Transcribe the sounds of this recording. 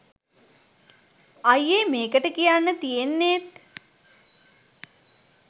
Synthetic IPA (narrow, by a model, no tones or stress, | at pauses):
ajemeːkəʈəkijanːət̪ijenːet̪